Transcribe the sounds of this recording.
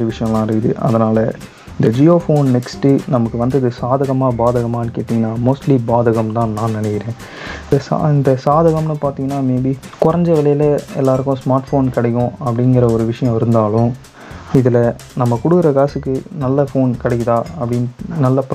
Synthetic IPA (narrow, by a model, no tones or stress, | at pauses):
d͡ʒɐʋɪʂɐjɐ̃ɐlãːɪɾɯkːɯðɯ̰ʔɐ̰ðɐnaːlɐ | ɪnd̪ɐd͡ʒioːfoːnnɛksʈɯnɐmɐkːɯʋɐnd̪ɐðɯsaːðɐɣɐmaːbaːðɐɣɐmaːɪnɯkeːʈ̪ːiŋɡɐnːaːmoːsʈlibaːðɐɣɐmt̪ãːnãːnɐnɛkːɪɾẽː | sa̰ɪnd̪ɐsaːðɐɣɐmnɯpaːɾt̪iːŋɡɐnːaːmeːbikʊɾɐɲd͡ʒɐʋɪlɐjɪlɐɛlːaːɾɯkːʊ̃smaːɾʈfoːnkɪɽɐjʊ̃ɐpːɐɽɪnɡɪɾɐɔɾɯʋɪʂɐjɐ̃ɪɾɯnd̪aːlʊ̃ | ɪðɪlɐ | nɐmːɐkɔɽɯkɪɾɐɡaːsɯkːɯnɐlːɐfoːnkɪɽɐkːɐt̪ãːɐpːɐɽɪnnɐlːɐp